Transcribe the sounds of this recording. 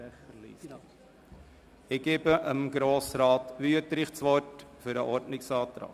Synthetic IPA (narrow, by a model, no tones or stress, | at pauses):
lis | ɪɡ̥ebəʔəmɡɾoːsrɑːtʋyətɾɪχt͡sʋɔrtfʏɾəʔɔrdnɪksɑːt̪ɾɑ̰ːk